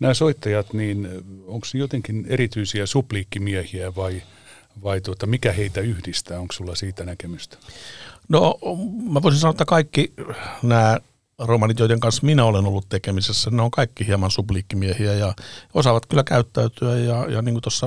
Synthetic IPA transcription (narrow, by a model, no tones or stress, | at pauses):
næːsoit̪ːɑjɑt̪niːnoŋksnjot̪eŋkinerit̪yisiæsubliːkːimiehiæʋɑi | ʋɑit̪uot̪ɑmikæheit̪æyhdist̪æːoŋkssulːɑsiːt̪ænækemyst̪æ̥nomæʋoˑisinsɑnoet̪ːɑkɑikːinæː | romɑnit̪joˑit̪eŋkɑnsminæolenolːut̪t̪ekemisesːæneoŋkɑikːihiɑmɑnsubliːkːimiehiæjɑosɑʋɑt̪kylːækæyt̪ːæyt̪yæjɑjɑ̰niːŋkut̪osːɑ